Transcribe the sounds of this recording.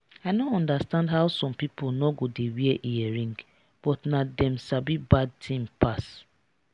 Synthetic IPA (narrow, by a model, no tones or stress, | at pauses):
aɪnoɔ̃ndastãndɦawsɔ̃mpipolnɔɡodewiɛʔijɛɹĩŋɡ | b̥ɔtnadɛ̃msabibad̚tʰĩmpas